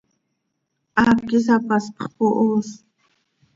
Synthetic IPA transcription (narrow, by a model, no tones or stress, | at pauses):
ʔakis̬apaspχpoʔos